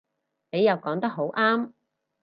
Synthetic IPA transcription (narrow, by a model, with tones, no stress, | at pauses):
ne˨˧jɐ˨wkɔː˨˥ŋt̪ɐ˥k̚ɦo˨˥wʔaː˥m